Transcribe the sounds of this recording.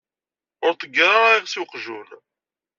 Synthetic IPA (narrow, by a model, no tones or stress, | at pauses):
ʊɾt̪əɡːɾˤaiʁsiwqʒun